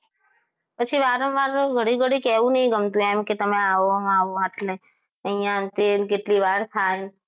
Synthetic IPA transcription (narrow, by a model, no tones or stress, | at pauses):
pət͡ʃʰiʋaɾənʋaɾɡʱəɽiɡəɽikeʋũnəɦĩɡəmt̪ũemket̪əmeaʋoaʋoaʈle | əɦijãt̪eɾkeʈliʋaɾt̪ʰaj